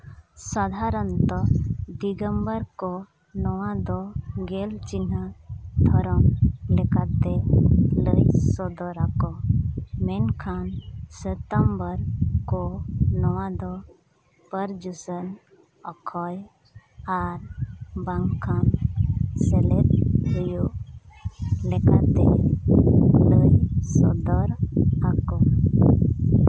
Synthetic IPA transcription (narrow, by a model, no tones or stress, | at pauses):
sad̪ʱaɾənt̪ɔd̪iɡəmbəɾkɔ | nɔwãd̪ɔɡelt͡ʃinəd̪ʱɔɾɔmlɛkat̪ɛləjsɔd̪ɔɾakɔmɛnkʰanset̪əmbəɾkɔnɔwãd̪ɔ | pəɾd͡ʒusən | ɔkʰɔj | aɾbaŋkʰan | seletɦuju | lɛka̰t̪e | ləjsɔd̪ɔɾakɔ